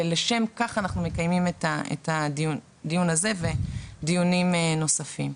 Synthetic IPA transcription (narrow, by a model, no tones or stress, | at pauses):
leʃe̞mkaχanaχnume̞kajmimetaḛthadiun | dijunaze̞ve̞dijunimno̞safim